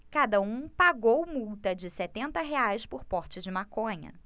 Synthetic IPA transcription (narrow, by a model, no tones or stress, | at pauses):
kad̪ɐũpaɡowmuwt̪ɐd͡ʒɪset̪ẽnt̪ɐɦeajspʊɾpɔɾt͡ʃɪzd͡ʒɪmakõɲɐ̰